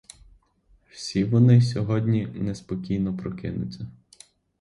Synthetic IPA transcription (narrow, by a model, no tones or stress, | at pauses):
w̥sʲiʋɔnɪsʲɔɦɔdʲnʲinespɔkʲijnɔpɾɔkɪnʊ̰t͡sʲːɐ